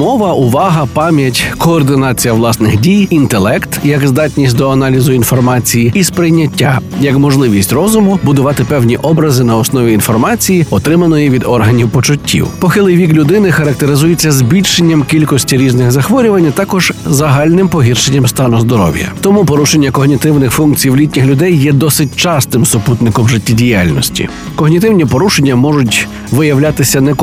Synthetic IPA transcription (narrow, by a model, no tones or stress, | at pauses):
mɔʋɐʔʊʋɑɦɐpɑmʲjɐtʲkɔːrd̪ɪnɑt͡sʲijɐʋlˠɑsnɪxdʲijint̪elˠɛkt̪jɐɡzd̪ɑtʲnʲisʲtʲd̪ɔɐnɑlʲizʊinfɔrmɑt͡sʲijiispɾɪjnʲːɐtʲːa̰jɐkmɔʒlˠɪʋʲisʲtʲrɔzʊmʊbʊd̪ʊʋɑt̪ɪpɛwnʲiʔɔbɾɐzɪnɐɔsnɔʋʲiinfɔrmɑt͡sʲijiɔt̪ɾɪmɐnɔjiʋʲid̪ɔrɦɐnʲiwpɔt͡ʃʊtʲʰːḭwpɔxɪlˠɪjʋʲiklʲʊd̪ɪnɪxɐɾɐk̚t̪eɾɪzujet͡sʲːɐzbʲilʲʃenʲːɐmkʲilʲkɔsʲtʲiɾʲiznɪxzɐxʋɔɾʲʊʋɐnʲːɐt̪ɑkɔʒ̥zɐɦɑlʲnɪmpɔɦʲirʃenʲːɐmst̪ɑnʊzd̪ɔɾɔ̰wjɐ̰t̪ɔmupɔɾuʃenʲːɐkɔɦnʲit̪ɪwnɪxfunkt͡sʲijwlʲitʲnʲɪxlʲʊd̪ɛjːɛd̪ɔsɪt̚ʲt͡ʃɑst̪ɪmsʊput̪nɪkɔmʒɪtʲːidʲijalʲnɔsʲtʲḭ | kɔɦnʲit̪ɪwnʲipɔɾuʃenʲːɐmɔʒʊtʲ | ʋɪjɐwlʲat̪ɪsʲɐnɛk